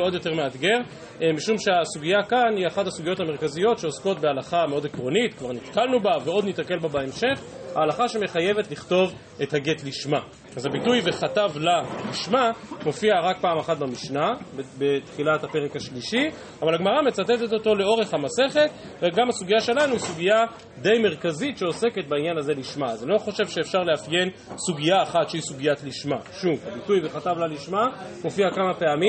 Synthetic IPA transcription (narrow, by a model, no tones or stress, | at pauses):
o̞djo̞te̞ʁmead̪ɡe̞ʁ | miʃumʃe̞asuɡijakaniaχathasuɡijo̞thame̞ʁkazijo̞tʃeosko̞tbealaχameo̞dekʁo̞nitkvaʁnit̪kalnubaveo̞d̪nitake̞lbabaemʃe̞χhaːlaχaʃe̞me̞χaje̞vetliχto̞v | ethaɡe̞tliʃma | azabitujveχatavlaliʃmamo̞fiaʁak̚paːmaχat̚bamiʃnabbet̪χilathape̞ʁekhaʃliʃi | avalaɡmaʁame̞t͡satet̪e̞to̞to̞le̞oʁe̞χhamase̞χe̞t | veɡamasuɡijaʃe̞lanuisuɡija | d̪e̞jme̞ʁkazitʃe̞o̞se̞ke̞t̚bainjanaze̞liʃmazelo̞χo̞ʃe̞vʃeːfʃaʁleafje̞n | suɡiaːχatʃeisuɡijatliʃmaʃuvabitujveχatavlaliʃmamo̞fiakamape̞ami